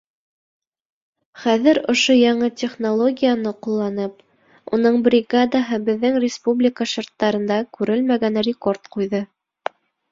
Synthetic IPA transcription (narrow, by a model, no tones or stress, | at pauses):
χæðɘɾŏʃojɑɴɤtʲɪχnolˠo̞ɡʲijanɤqulˠːɑnɤp | ṵnɤɴbɾʲɪɡad̪aɦɤbɘ̆ðːɘŋrʲɪspublʲɪkaʃort̪ːɑɾɤ̆nd̪ɑkʉɾɘlmæɡænrʲɪko̞rt̪qujðɤ